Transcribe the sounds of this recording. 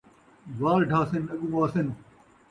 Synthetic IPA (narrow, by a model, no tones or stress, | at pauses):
ʋaːɾɖʱaːsɪnɐɠũːʋaːsɪn